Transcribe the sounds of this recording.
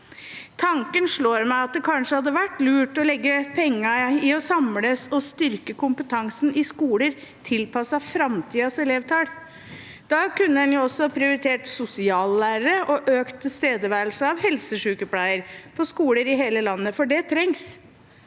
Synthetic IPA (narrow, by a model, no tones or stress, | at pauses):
t̪ʰɑŋkənʂɭoːɾmæɪɑt̪̚d̪ɛkʰɑnʂəhɑd̪ːəʋæʈːlʉːʈɔlɛɡːəpʰɛŋːɑɪɔsɑmləsɔst̪ʏɾkəkʊmpət̪ʰɑŋsnɪskuːləɾt̪ʰɪlpʰɑsɑfɾɑmt̪ʰiːɑsɛleːʋt̪ʰɑːɽ | d̪̥ɑkʉnːəɛnjʊɔsːɔpʰɾɪʊɾɪt̪ʰeːʈsʊsɪɑːlːæːɾəɾəʔɔʔøːkt̪əst̪eːd̪əʋæːɾlsəɑʋhɛlsəʂʉːkəpʰlæɪəɾpʰɔskuːləɾɪɦeːləlɑnːəfɔɖɛt̪ʰɾɛŋs